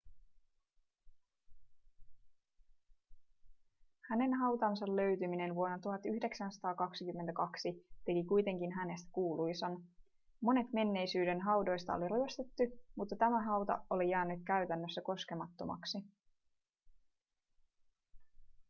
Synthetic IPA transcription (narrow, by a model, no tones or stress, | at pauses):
hæne̞nɦɑwt̪ɑnsɑllø̞ɥt̪ymine̞nʋuonːɑt̪uɦɑt̪yhde̞ksænsɑ̥t̪ɑːkɑksikymːent̪ækɑksit̪e̞kikujt̪e̞ŋkinɦæne̞st̪æ̥kuːlujsɑn | mo̞ne̞t̪me̞nːe̞jsyːde̞nɦɑwdo̞jst̪ɑ̰o̰liɾyest̪et̪ːymut̪ːɑt̪æmæɦɑwt̪ɑ̰olijæːnːyt̪̚kæyt̪ænːøsːæko̞ske̞mɑt̪ːo̞̰mɑ̰ksi